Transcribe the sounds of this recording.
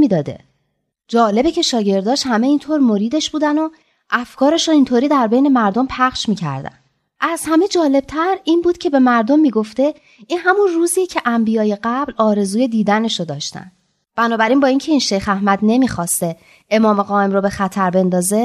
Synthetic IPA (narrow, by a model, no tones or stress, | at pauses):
miːd̪ɒːd̪e̞̰ | d͡ʒɒːle̞becʰe̞ʃɒːɟe̞ɾd̪ɒːʃhæmeint̪ʰoɾmo̞ɾiːd̪e̞ʃb̥uːd̪æno̞ | ʔæfkʰɒːɾe̞ʃoint̪ʰoɾiːd̪æɾbe̞jne̞mæɾd̪o̞mpʰæχʃmiːcʰæ̰ɾd̪æ̰n | ʔæz̥hæme̞d͡ʒɒːle̞b̥̚t̪ʰæɾiːnbuːd̪̥̚cʰe̞be̞mæɾd̪omːiːɡo̞ft̪e̞ | iːnɦæmunruːziːcʰe̞ʔæmbijɒːje̞ɢæblɒːɾe̞zuːje̞d̪iːd̪æne̞ʃod̪ɒːʃt̪æ̰nd̪ | b̥ænɒːbæɾiːnbɒːiŋcʰe̞iːnʃe̞jxæhmæd̪ne̞miːxɒːst̪e̞ | emɒːmeɣɒːe̞mɾobe̞xæt̪ʰæɾbe̞nd̪ɒːze̞